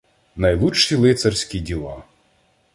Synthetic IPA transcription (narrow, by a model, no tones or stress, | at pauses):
nɐjlˠut͡ʃt͡ʃːilˠɪt̪sɐrsʲkʲidʲilˠɑ